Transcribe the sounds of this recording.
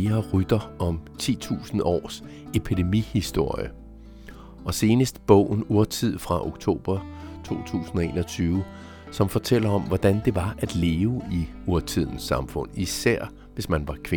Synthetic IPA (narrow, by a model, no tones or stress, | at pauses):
ɐʁyd̥ɐɒ̽mt͡sʰḭːt͡sʰṵːsn̩ɒ̰ːs | e̝pʰid̥e̝mihisd̥o̝ɐ̰jə | ʔɒ̽se̝ːnəsd̥b̥ɔ̰ʊ̰n̩uɐt͡sʰið̞̰ˠfʁɑ̈ʔo̝ɡ̥t͡sʰo̝̰ːb̥ɐt͡sʰo̝̰ːt͡sʰṵːsn̩ɒ̽e̝̰ːnɒt͡sʰyːʊ | sɒ̽mfɒ̽t͡sʰel̰ɐɒ̽mʋɒd̥ænd̥e̝ʋɑ̈æd̥le̝ːʊəi | oɐt͡sʰið̞̰ˠn̩sːɑ̈mfɔ̽n̰isæɐ̰ | ʋe̝smænʋɑ̈kʰʋe